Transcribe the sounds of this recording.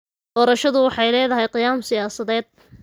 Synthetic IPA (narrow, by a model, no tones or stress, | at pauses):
d̪̥ɔːɾɐʃɐðʊwɑħɑjlɛːðɐɦɛjqɪjaːmsɪjaːsɐðɛːd̪̚